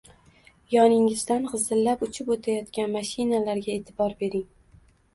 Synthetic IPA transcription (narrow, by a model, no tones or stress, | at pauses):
jɒnɪŋɪzd̪anqɨzɪlːapʊt͡ʃʰɪpot̪ʰajɒt̪kʲanmaʃɪnalaɾɡʲae̞ːt̪ʰɪbɒɾbe̞ɾɪŋ